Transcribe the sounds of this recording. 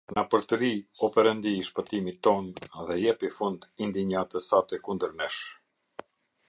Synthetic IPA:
napəɾt̪əɾiɔpɛɾɛnd̪iːʃpət̪imit̪ːɔnðɛjɛpifund̪ind̪iɲat̪əsat̪ɛkund̪əɾnɛʃ

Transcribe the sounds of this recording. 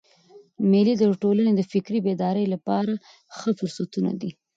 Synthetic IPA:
mɪlid̪əʈoləned̪əfɪkɾibed̪ɑɾəjlapɑɾa | xəfʊɾsat̪una̰d̪i

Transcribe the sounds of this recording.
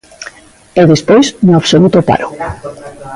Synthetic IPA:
eðespojznoaβsolut̪opa̰ɾo

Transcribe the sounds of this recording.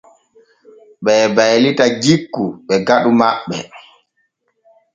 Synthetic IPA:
ɓɛːbajlitad͡ʒikːuɓɛɡaɗumaɓːɛ̰

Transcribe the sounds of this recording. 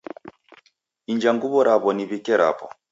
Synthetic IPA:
ind͡ʒaŋɡuβɔɾʔaβɔniβikɛɾʔa̰pɔ

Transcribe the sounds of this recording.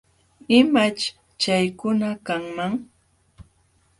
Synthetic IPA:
ɪmat͡ʃ | t͡ʃajkʊnakaŋmaŋ

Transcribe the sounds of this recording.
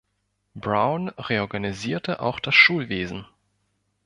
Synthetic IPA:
bʁaʊnʁeɔɐɡaniziːɐtəʔa̰ʊxd̥asʃuːlveːzn̩

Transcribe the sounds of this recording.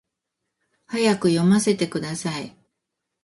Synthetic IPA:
hajakɯ̟jo̞mase̞t̪e̞kɯ̟d̪asai

